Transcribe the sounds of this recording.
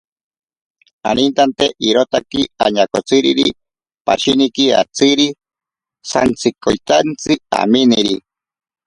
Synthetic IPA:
anint̪ant̪eʔiɾot̪akiaɲakot͡sɨɾḭɾḭ | paʃinikia̰t͡sɨɾi | sa̰nt͡sɨkojt̪ant͡sɨa̰miniɾi

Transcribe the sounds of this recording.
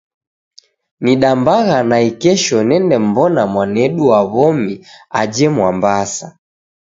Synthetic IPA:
niɗambaɣanaikɛʃɔnɛndɛm̩bɔnamwanɛɗuaβɔmiad͡ʒɛmwambasa

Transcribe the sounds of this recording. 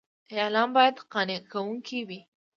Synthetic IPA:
jɑlɑmbɑjad̪qɑnekʰawuŋkʰiwi

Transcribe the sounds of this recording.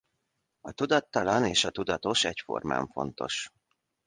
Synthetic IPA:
ɒt̪ud̪ɒt̪ːɒlɒneːʃɒt̪ud̪ɒt̪o̞ʃɛcfo̞̰rma̰ːɱfo̞̰n̪t̪o̞̰ʃ

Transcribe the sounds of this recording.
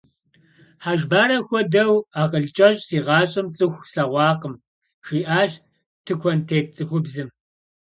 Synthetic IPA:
ħaːʒbaːɾɐxʷɔdɐwaːqəɮt͡ʃʼɐɕʼsiːʁɑːɕʼɨmt͡sʼɨxʷsɐʁʷɑːqəm | ʃiːʔaːʃ | tʰɨkʷʰɔntʰeːt͡sʼɨxʷʊbzɨm

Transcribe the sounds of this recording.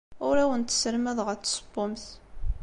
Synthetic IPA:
ʊɾæwənt̪ːə̥səɾmæðʁət͡s̪ːsˤə̥bːʊmθ

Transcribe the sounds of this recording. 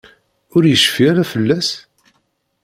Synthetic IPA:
ʊɾjəʃfiæɾafəlːæs

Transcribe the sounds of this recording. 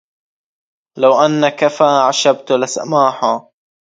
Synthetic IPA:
lawʔanːakafaːʕaʃab̚t̪lasa̰maːħa

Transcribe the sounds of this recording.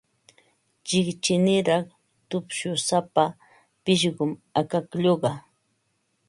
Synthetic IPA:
t͡ʃɪkt͡ʃɪnɪɾɑχ | t̪ʊpʃʊsapa | pɪʃɢʊmakakʎoɢɑ

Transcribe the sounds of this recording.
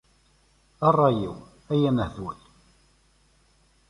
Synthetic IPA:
ɑrˤːɑjḭw | æjænəhðwæl

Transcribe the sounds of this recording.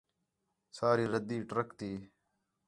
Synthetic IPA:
saːɾiːɾəd̪iːʈɾəkt̪iː

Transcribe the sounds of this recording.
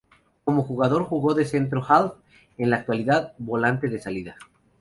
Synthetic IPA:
ko̞moxuɣað̞o̞ɾxuɣo̞ðe̞se̞nt̪̬ɾo̞xalθ | enlaːk̚t̪waliðaðbo̞lant̪e̞ðe̞saliða

